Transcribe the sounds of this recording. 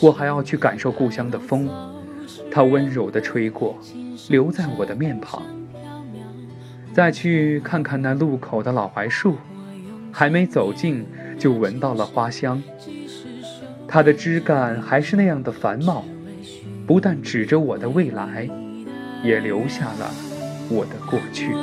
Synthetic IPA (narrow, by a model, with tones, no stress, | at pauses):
wɔ˨˩xa˧˥ɪjɑ˥˧ʊt͡ɕʰy˥˩ka˨˩nʂo˥˧ʊku˥˩ɕjɑ˥ŋd̪ə˨fɤ˥ŋ˩ | t̪ʰa˥wə˥nɻo˨˩ʊd̪ə˦ʈ͡ʂʰwe˥ɪkwɔ˥˩ | ljo˧˥ʊt͡sa˥˩ɪwɔ̰˨˩d̪ə˦mjɛ˥˩npʰɑ̰˨˩˦ŋ | t͡sa˥˧ɪt͡ɕʰy˥˧kʰa˥˧nkʰa˥˧nna˥˧lu˥˩kʰo˨˩ʊd̪ə˦lɑ˨˩ʊxwa˧˥ɪʂu˥˩ | xa˧˥ɪme˧˥ɪt͡so˨˩ʊt͡ɕi˥˧n | t͡ɕjo˥˩ʊwə˧˥nt̪ɑ˥˩ʊlə˩xwa˥ɕjɑ˥ŋ | t̪ʰa˥d̪ə˨ʈ͡ʂɻ̩˥ka˥˩nxa˧˥ɪʂɻ̩˥˧na˥˧jɑ˥˩ŋd̪ə˩fa˧˥nmɑ˨˩ʊ | pu˧˥t̪a˥˩nʈ͡ʂɻ̩˨˩ʈ͡ʂə˦wɔ˨˩d̪ə˦we˥˩ɪla˧˥ɪ | jɛ˨˩ljo˧˥ʊɕja˥˩lə̰˩wɔ˨˩d̪ə˦kwɔ˥˧t͡ɕʰy˥˩